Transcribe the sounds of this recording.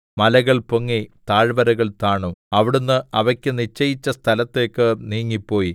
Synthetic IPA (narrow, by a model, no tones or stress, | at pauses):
mɐlɐɣɐɭpoŋːit̪aːɻbɐɾɐɣɐɭt̪aːɳuɐʋiɽunːɨɐʋɐkʲːɨnit͡ɕːɐjit͡ɕːɐst̪ʰɐlɐt̪ːe̞ːkːɨniːŋːipːo̞ːji